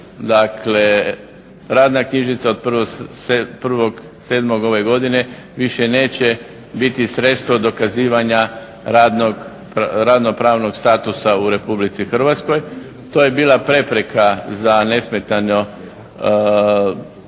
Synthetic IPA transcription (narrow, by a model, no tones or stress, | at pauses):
d̪akle̞ | ɾaːd̪nakɲiʒnit̪sao̞d̪̚pr̩ʋopr̩ʋo̞ɡ | seːd̪moɡo̞ʋe̞ɡo̞d̪ine̞ | ʋiʃene̞ːt͡ɕe | bit̪isɾet̪st̪ʋod̪o̞kaziːʋaɲa | ɾad̪noɡ | pɾad̪no̞pɾaːʋno̞ɡst̪aːt̪usauɾe̞publit̪sixr̩ʋat̪skoj | t̪oːjebiːlˠapɾe̞pɾe̞kʰazane̞smet̪ano